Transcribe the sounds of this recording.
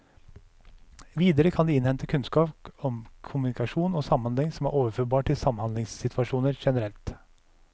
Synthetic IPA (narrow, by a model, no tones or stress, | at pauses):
ʋiːd̪əɾəkʰɑnd̪iːɪnhɛnt̪ʰəkʰʉnskɑːpɔmkʰʊmnɪkɑʂuːnoːsɑmːɑnlɛŋːsɔmæ̰ːɾʔoːʋəɾføːɾbɑːʈʈʰɪlsɑmhɑnd̪lɪŋsːɪt̪ʰʋɑʂuːnəɾʂɛnəɾɛlt̪